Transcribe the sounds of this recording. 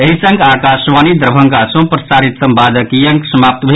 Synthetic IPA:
eɦisə̃ŋɡaːkasʋaːnid̪ɾəbʱə̃ŋɡasõpɾɐsaːɾit̪sɐmbad̪əkijɐŋksəmaːp̚t̪bʱe

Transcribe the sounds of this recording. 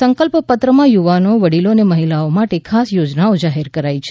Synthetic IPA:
səŋkəlppət̪ɾəmãjuʋanoʋəɽiloneməɦilaomaʈekʰasjod͡ʒnaod͡ʒaɦeɾkəɾait͡ʃʰe

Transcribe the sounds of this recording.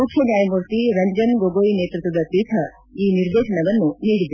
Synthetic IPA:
uʈʰenjaːjmuɾt̪iɾɐɲd͡ʒɐnɡoɡoːineːt̪ɾut̪ʋɐd̪ɐpiʈʰɐ | iːniɾd̪eːʃɐɳɐʋɐnːuniːɽid̪

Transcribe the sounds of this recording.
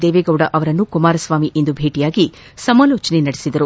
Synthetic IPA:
d̪eːʋeːɡɐwɽɐʔɐʋɐɾɐnːukumaːɾɐsʋaːmiʔend̪ubʱeːʈijaːɡi | sɐmaːloːt͡ʃɐnenɐɽisid̪ɐɾu

